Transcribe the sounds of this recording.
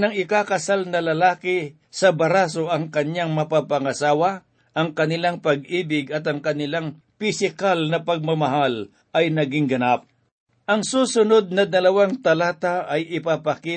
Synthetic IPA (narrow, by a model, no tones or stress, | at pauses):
nɐŋɪkakɐsalnɐlɐlaːkɪ | sɐbɐɾaːsoʔɐŋkɐɲaŋmɐpapɐŋɐsaːwa | ʔɐŋkɐnɪlaŋpɐɡ̚iːbɪɡɐt̪ɐŋkɐnɪlaŋ | pɪsɪkalnɐpɐɡ̚mɐmɐɦal | ʔɐjnɐɡɪŋɡɐnap̚ | ʔɐŋsuːsʊnod̪̚nɐd̪ɐlɐwaŋt̪ɐlaːt̪aʔɐjʔɪpapɐki